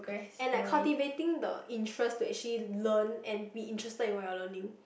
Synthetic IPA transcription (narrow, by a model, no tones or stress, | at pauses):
okeɛ̃nlaɪkʰːaltivetĩŋdəʔĩntʰɹɛstuɛk̚t͡ʃəlilə̃nɛ̃nbiĩntɹɛstədĩnwaalənĩŋ